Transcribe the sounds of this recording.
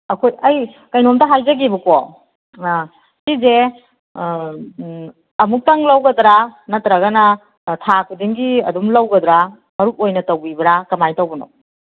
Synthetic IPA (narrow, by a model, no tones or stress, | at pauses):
ɐkʰojɐj | kɐjnomtaɦajzɐɡibuko | kize | ɐmuk̚taŋlawɡɐdɾanɐtɾaɡɐnɐ | tʰakʰudiŋɡiɐ̰dumlawɡɐd̪ɾa | mɐɾuk̚ojnɐtɐwbibɐɾakɐmajtawbɐno̰